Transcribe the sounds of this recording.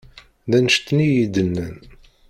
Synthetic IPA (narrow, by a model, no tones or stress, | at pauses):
ðænʃt̪ːnijid̪ənːən